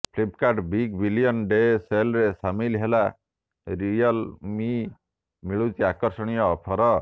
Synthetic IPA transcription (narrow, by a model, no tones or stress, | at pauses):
pʰlipkaɾɖbiɡbilijɔnɖeselɾesamilɦela | ɾijɔlmi | miɭut͡ʃiakɔɾsɔɽ̃ijɔːpʰɔɾɔ